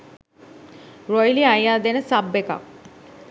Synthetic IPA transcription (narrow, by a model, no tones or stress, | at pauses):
ɾojliajaːd̪enəsabːeka̰k̚